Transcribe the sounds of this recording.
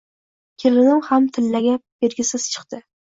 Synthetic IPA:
kʲʰelɪnɪmhamt̪ʰɪlːaɡʲab̥eɾɡʲɪsɪz̥t͡ʃʰɨ̥qt̪ɪ

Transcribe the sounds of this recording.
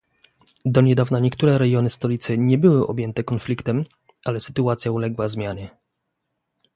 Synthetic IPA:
d̪ɔɲɛd̪avnaɲɛkt̪uɾɛɾɛɡjɔnɘst̪ɔlʲit̪sɘɲɛbɘwɘʔɔ̰bʲjɛnt̪ɛkɔnflʲikt̪ɛm | alɛsɘ̥t̪uat̪sʲjaulɛɡwazmʲjaɲɛ

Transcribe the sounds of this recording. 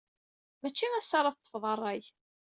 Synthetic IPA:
mæt͡ʃːiæsːɑɾˤɑθt̪ːˤə̥fðˤərˤːæj

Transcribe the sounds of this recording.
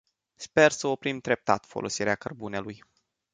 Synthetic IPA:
spe̞rsəo̞pɾimd̪ɾe̞p̚t̪a̰t̪fo̞lo̞siɾeakərbune̞luj

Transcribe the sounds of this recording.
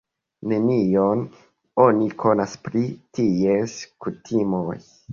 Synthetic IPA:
ne̞nion | o̞nikʰo̞naspɾitieskutʰimoj

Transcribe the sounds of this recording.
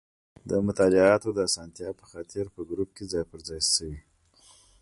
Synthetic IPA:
d̪əmʊt̪ɑlɪɑt̪od̪əasɑnt̪jɑpə̥xɑt̪ɪɾpəɡɾup̚ked͡zɑjpəɾzɑjsəwi

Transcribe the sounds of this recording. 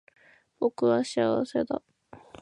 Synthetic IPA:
b̥o̞kɯ̟βaɕiaβase̞d̪a̰

